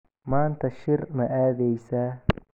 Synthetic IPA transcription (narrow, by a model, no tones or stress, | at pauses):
maːnt̪ʰɐʃɪrmɐʔaːðɛjsaː